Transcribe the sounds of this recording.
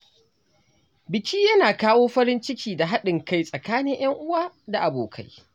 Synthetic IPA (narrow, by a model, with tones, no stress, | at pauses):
bɪ˨kʲiː˦jɐ˦naː˨kaː˦woː˦ɸɐ˦ɾɪ˦nt͡ʃɪ˦kʲiː˨da˨ɦa˦ɗɪ˨ŋka˦jsʼɐ˨kaː˦nɪ˦ŋj̰ɐ˦ŋʔʊ˦waː˦da˨ʔa˨boː˨kʰa̰˦j